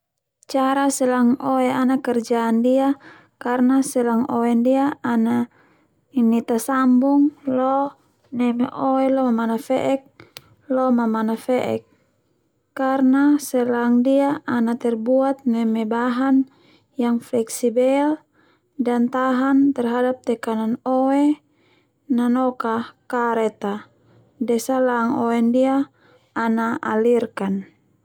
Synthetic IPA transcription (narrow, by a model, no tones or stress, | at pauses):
t͡ʃaɾasɛlaŋoɛanakɛrd͡ʒaːndia | karnasɛlaŋɔɛndiaːna | init̪asambuŋlɔ | nɛmɛʔɔɛlɔmamanafɛʔɛk̚ | lɔmamanafɛʔɛ̰k̚ | kːarnasɛlaŋdiaːnat̪ɛrbuat̪̚nɛmɛbaɦan | jaŋflɛksibɛl | dant̪aɦant̪ɛrɦadap̚t̪ɛkananowɛ | nanɔkakaɾɛt̪a | dɛsalaŋoɛndiaː | naalirkan